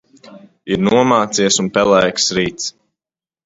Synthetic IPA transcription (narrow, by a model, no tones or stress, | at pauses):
iɾnuɔmaːt̪siɛsunpɛlˠɛjksɾiːt̪s